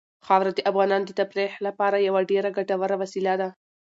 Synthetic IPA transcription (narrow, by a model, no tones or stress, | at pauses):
xɑwɾad̪əʔafɣɑnɑnd̪ət̪apɾexlapɑɾajawaɖeɾaɡaʈawaɾawasilad̪a